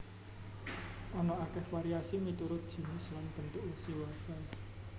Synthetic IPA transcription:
ɔnɔakɛhwaɾiasimit̪uɾʊt̪̚d̥ʒ̥i̤nɪslanb̥ənt̪ʊʔwusiwafa

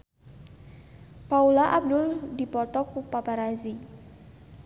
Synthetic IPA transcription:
paulaʔab̚dʊldipɔt̪ɔkupapaɾazi

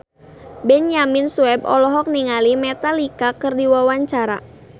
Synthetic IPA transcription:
bɛnjaminsuɛb̚ɔ̰lɔɦɔk̚niŋalimɛt̪alikakɨrdiwawaɲt͡ʃaɾa̰

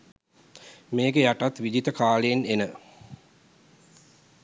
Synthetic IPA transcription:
meːɡejaʈat̪ʋid͡ʒit̪əkaːleːnenə

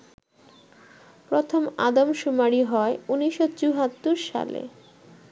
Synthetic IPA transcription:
pɾot̪ʰomad̪omʃumaɾiɦɔeuniʃot͡ɕuɦat̪ːuɾʃa̰lḛ

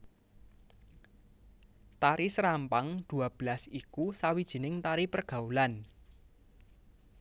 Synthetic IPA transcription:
t̪aɾisɾampaŋd̪̥ṳab̥əlasikusawid̥ʒ̥i̤nɪŋt̪aɾipərɡ̥a̤ulan

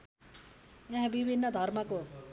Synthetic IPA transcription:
jãɦãbibʱinːʌd̪ʱʌrmʌko

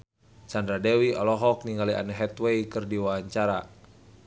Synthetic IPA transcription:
t͡ʃandɾadɛwiɔlɔɦɔk̚niŋɡalia̰nɛɦɛt̪weikɨrdiwaaɲt͡ʃaɾa

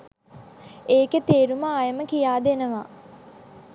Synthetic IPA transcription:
eːket̪eːɾuməajəməkijaːd̪enəʋa

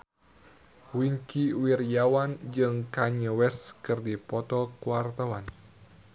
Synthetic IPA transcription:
wiŋkiwirjawand͡ʒɨŋkaɲəwɛskɨrdipɔt̪ɔkuwart̪awan

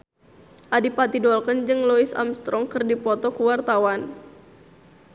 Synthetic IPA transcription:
ʔadipat̪idɔlkənd͡ʒɨŋlɔisa̰mst̪ɾʔɔŋkɨrdipɔt̪ɔkuwart̪awan

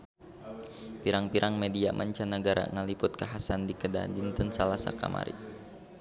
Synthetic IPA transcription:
piɾaŋpiɾʔaŋmɛdiamʔaɲt͡ʃanəɡaɾa̰ŋəlipʊt̪̚kaɦasandikəda̰dint̪ənsalasa̰ka̰mʔa̰ɾḭ

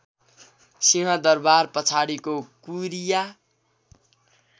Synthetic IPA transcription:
siɦʌd̪ʌrbarpʌt͡sʰaɽikokuɾija

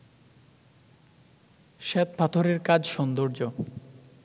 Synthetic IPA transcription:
ʃɛt̪̚pʰat̪ʰoɾeɾkad͡ʑʃɔnd̪oɾd͡ʑo

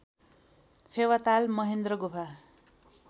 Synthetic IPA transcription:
pʰewat̪almʌɦend̪rʌɡopʰa

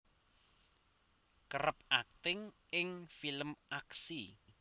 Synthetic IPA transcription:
kəɾəp̚ak̚t̪ɪŋ | ɪŋfiləmʔaksi

